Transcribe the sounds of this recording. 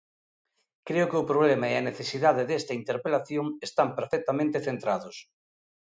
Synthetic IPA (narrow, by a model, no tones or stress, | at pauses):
kɾeʊkɪʊpɾoβlemaɛɐneθesiðaðeðɛst̪ɐint̪eɾpelaθjoŋest̪ampeɾfɛk̚t̪amẽnt̪eθent̪ɾaðʊs